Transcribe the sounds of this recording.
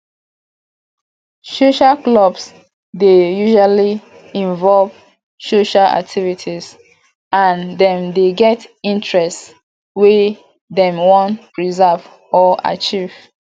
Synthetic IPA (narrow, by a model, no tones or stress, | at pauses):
soʃaklɔbs | dejuʒwali | ĩɱvɔlv | soʃaa̰k̚tʰivitʰiz | ãndɛ̃mdeɡɛtĩntɹɛst | we | dɛ̃mwɔ̃ntpɹizav | ɔa̰t͡ʃiv̥